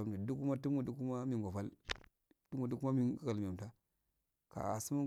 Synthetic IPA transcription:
a˨m˨ta˨du˦ku˦ma˦tu˦mu˨du˦ku˦ma˦mi˦˨ŋɡo˨fa˦l | tu˦mu˨du˦ku˦ma˦mi˦ɡka˨lta˦ | ka̰˨a̰˨su˦ma˦

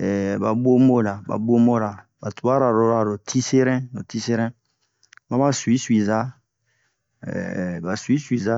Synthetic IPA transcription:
ɛ˨ba˨bo˦mo˦˨la˨ba̰˨bo˦mo˦la˨ | ba˨tu˨a˦ɾa˨ɾo˨ɾa˨ɾo˨tʰi˦se˦ɾɛ̃˦no˨ti˦se˦ɾɛ̃˦ | ma˦ma˦swi˦si˨za˦˨ | ba˨swi˦swi˨za˦

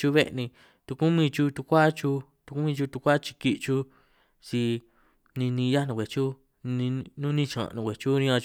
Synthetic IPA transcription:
t͡ʃu˧βe˦ʔnĩ˧ | t̪u˧ku˦mĩ˧t͡ʃu˧t̪u˧kʷa˦t͡ʃu˧t̪u˧ku˦mĩ˧t͡ʃu˧t̪u˧kʷa˦t͡ʃi̥˧ki˧ʔt͡ʃu˧ | t͡ʃi˧ | nĩ˧nĩ˧ja˦nũ˧kʷe˨t͡ʃu˦˧ | ĩ˧nũ˦nĩ˦˧t͡ʃã̰˨˧nũ˨˧kʷe˨t͡ʃu˦nĩ˧ã˧

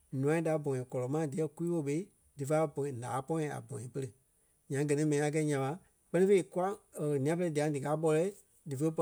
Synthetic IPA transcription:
nũ˨ã˦ĩ˦da˨˦bɔ̃˨ĩ˨kɔ˨lɔ˨mã˦˨˦di˨ɛ˦ku˦iː˦wo˧˦ɓe˧i˦ | dɨ˨fa˦˧bɔ̃˨ĩ˨lãː˨˦pɔ̃˦ĩ˧˨a̰˨bɔ̰̃˨ĩ˨pə˧ɾə˧˨ | ɲã˨˦ɡɜ˨nĩ˦mɛ̃˨nĩ˧a˧k̬ɛ˧˦ɲã˨ɓa˨˦ | k͡pɜ˦nĩ˦fe˧˨i˦˨ku˦a˦ə˨nĩ˨ã˦p̬ə˧lɛ˧di˨ã˨˦dɨ˨kaː˨˦ɓɔ˧lɛ˦ | dɨ˨fə˧˦pɔ˧

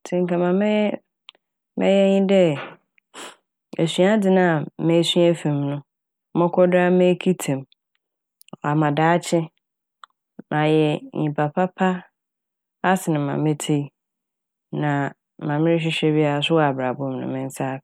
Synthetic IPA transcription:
tʰĩ˨ŋ̩˨kã˨mã˨mɪ̃˦ | mɛ̰̃˦jɛ˦ɲɪ̃˦dɛ˦ | e˨sɥa˦dɪ˨nã˦˨mɛ̃˦sɥæ˦fĩ˨mnʊ̃˦ | mɔ̃˦kʰɔ˦da˦mẽ˦kʰi˦tʰẽ˨m˨ | a˨mã˨daː˨˦t͡ɕʰɪ˦ | nʔã˨jɛ˨ɲĩ˨pa˨pʰa˦pʰa˦ | a˦sɪ˨nɪ̃˨mːã̰˨mɪ̃˦tʰe˦i˦ | nã˨ | mã˨mɪ̃˦ɪ˦ɕ̬ɪ˦ɕᶣɛ˦bi˦a˨a˨sʊ˦ɔ˦a˨bɾa˨bʊ̃˦˨mnʊ̰̃˨mɪ̃˦n˦sa˦

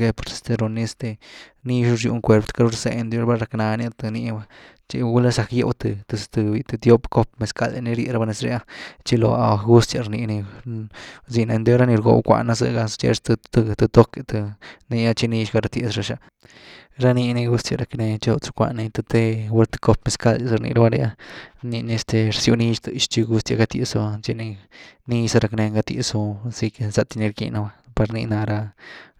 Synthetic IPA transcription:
ɡe˧po˨ɾsi̥˧st̪e˧ɾo˧ni˧st̪e˧ni˦ʃu˧˦ɾʃjṵ˧ŋkʷe˧ɾpt̪ka˦ɾu˦ɾse˧e˧nd̪jo˦ɾba˦ɾa˧kna˧ni˦t̪ɨ˧ni˧ba˦ | t͡ʃi˧ɡu˦la˦sa˨˧kjḛ˧wt̪ɨ˧t̪ɨ˧st̪ɨ˧bi˧t̪ɨ˧t̪jo˦pko˦pme˨ska˧lḛ˧ni˧ɾjḛ˧ɾa˧ba˧ne˧sɾe˧˦a˦t͡ʃi˦lo˨a̰˨ɡu˦st̪ja˧ɾni˧ni˧ | zi˧na˧d̪jo˦ɾa˦ni˧ɾɡo̰˧wkʷa̰˧na˧zɨ̰˧ɡa˧st͡ʃḛ˧t̪t̪t̪ɨ˧t̪o˦ke˧t̪ɨ˧ni˧ja˦t͡ʃi˦˧ni˧ʃɡa˧ɾa˧t̪je˨sɾa˧ʃa˧ | ɾa˦ni˧ni˧ɡu˦st̪ja˨˧ɾa˧kne˧t͡ʃe˦u˧t͡su̥˧kʷa̰˧ni˧t̪a˧t̪e˧we˧ɾt̪e̥˧ko˧pme˧ska˦d̪zɨ˧ɾnḭ˧ɾa˦ba˦˧ɾa˧ja˦ni˧ni˧e˧st̪e˧ɾsju˧ni˧ʃt̪ʃt͡ʃi˧ɡu˦st̪ja˧ɡa˧t̪jḛ˧so˧a˧t͡ʃi˧ni˧ni˦sa˧ɾa˧kne˧ŋɡa˧t̪jḭ˧so˧si˧ke˧sa˧t̪i˧ne˧ɾkḭ˧na˧ba˧pa˧ɾni˧na˧ɾa˧

